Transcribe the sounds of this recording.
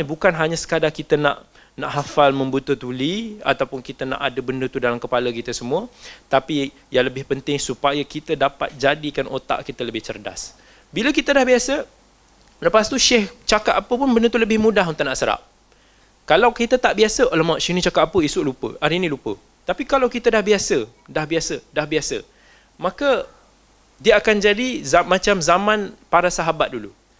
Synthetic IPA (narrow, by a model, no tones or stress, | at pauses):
nibukanɦaɲasə̥kadaŋkit̪ənã̰ʔ | naʔɦafalmə̃mbut̪ət̪ulia̰t̪awpʊnkit̪əna̰ʔadəbəndət̪udalamkəpaləkit̪əsəmũət̪api | jaŋləbɪhpənt̪ɪŋsupajakit̪ədapa̰t̪̚d͡ʒadikanʔot̪a̰ʔkit̪ələbɪht͡ʃərda̰s | biləkit̪ədahbiasə | ləpast̪uʃɛht͡ʃakat̪̚apəpʊnbənət̪uləbɪhmũdaɦunt̪ʊʔnaʔsəɾa̰p̚ | kalawkit̪ət̪aʔbiasəʔolɛmaʔʃɛhnĩt͡ʃakat̪̚apəisʊʔlupə̰ʔaɾinĩlupə̰ | t̪apikalawkit̪ədahbiasə | dahbiasədahbiasə̰ | mãkə | diəakand͡ʒadizamãt͡ʃamzamãnpaɾasaɦabat̪̚dulṵ